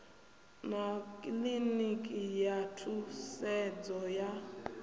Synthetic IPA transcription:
nakʼlinikʼijatʰusɛd͡zɔja

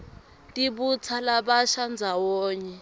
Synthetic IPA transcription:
tʼiɓut͡sʰalaɓaʃand͡zʱawɔːɲɛ

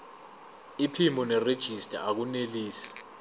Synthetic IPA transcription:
ipʰimɔnɛred̥ʒ̥ʱistʼa̰ak̬uneliːsi̥

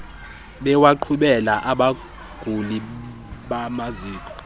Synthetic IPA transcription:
ɓɛwaǃʰuɓɛlaʔaɓa | ɡ̥ʱuli | ɓamaziːkʼɔ̥

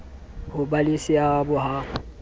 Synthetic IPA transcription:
hʊbalisɪabʊɦa

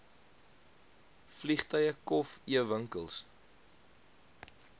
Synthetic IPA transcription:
fliχtəjəkɔfiəvəŋkəlˠs

